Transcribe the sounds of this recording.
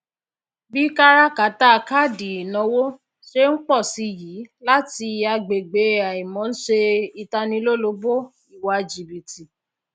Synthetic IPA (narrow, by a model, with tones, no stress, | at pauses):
bi˦ka˦ɾa˦ka˨˦ta˦˧ka˦˨di˨nɔ̃˨˧˦wo˦ | ʃe˦ŋ̩˦k͡pɔ˦˨si˧ji˨˦la˦ti˧˨˦a˧ɡ͡be˨ɡ͡be˨˦a˨i˨mɔ̃˨˦n̩˦ʃe˧i˧ta˧nĩ˧lo˦lo˧bo˦ | i˨wa˧d͡ʒi˨bi˨ti˨